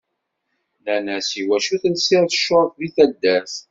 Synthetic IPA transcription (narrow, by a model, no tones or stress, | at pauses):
lænæsiwæʃuθənsiɾθə̥ʃoɾˤθviθæd̪ːæs